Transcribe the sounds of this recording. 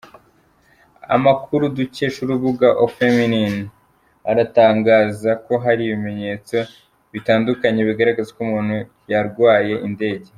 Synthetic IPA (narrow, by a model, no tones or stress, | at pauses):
a̰makʰuɾuduce̞ʃuɾuβuɡaʔofeminin | aɾataːŋɡaːzako̞ɦaɾiβime̞ɲe̞ːt͡so̞ | βitaːndukaɲe̞βiɡaɾaɡazekumuːn̥hu | jaɾɡwaːje̞ʔinde̞ːɟe̞